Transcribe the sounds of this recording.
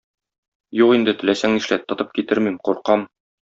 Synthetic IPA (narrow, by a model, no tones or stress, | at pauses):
juqind̪ɘ̆t̪ɘ̆læsæŋniʃlæt̪ːɤ̆t̪ɤp̚kit̪ɘɾmimquɾqɑm